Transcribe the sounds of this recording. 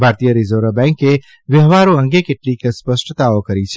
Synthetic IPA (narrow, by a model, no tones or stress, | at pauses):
bʱaːɾt̪ijəɾizoɾəbɛ̃ŋke | ʋjəɦʋaɾũə̃ŋɡekeʈlikspəʃʈət̪aokəɾit͡ʃʰe